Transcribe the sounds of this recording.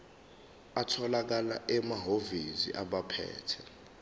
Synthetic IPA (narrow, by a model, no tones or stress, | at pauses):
atʰɔlak̬alaʔɛmaɦovizḭʔaɓapʰɛ̰ːtʰɛ